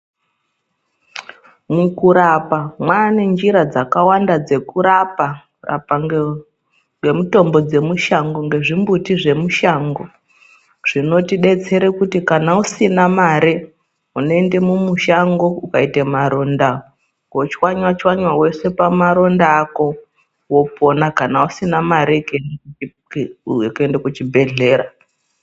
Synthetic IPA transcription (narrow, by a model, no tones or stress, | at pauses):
mukuɾapamwane̞nd͡ʒiɾad͡zakawandad͡ze̞kuɾapa | ra̰pa | ŋɡe̞muto̞mbo̞d͡ze̞muʃaŋɡo̞ŋɡe̞ʐimbutiʐe̞muʃaːŋɡo̞ | ʐ̥ino̞tiɗe̞t͡se̞ɾekutikanausinamaɾe | unoende̞mumuʃaŋɡo̞ukaitemaɾo̞nda | ɡot͡ʃiwaɲwat͡ʃiwaɲwawe̞se̞pamaɾo̞ndaːko̞ | wopo̞nakanausinamaɾekne | kendekut͡ʃibʱe̞ɮe̞ːɾa